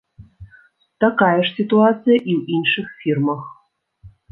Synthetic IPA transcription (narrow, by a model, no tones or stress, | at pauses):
t̪ɐkajɐʂsʲit̪uat̪sɨjɐʔiwinʂɨxfʲirmɐx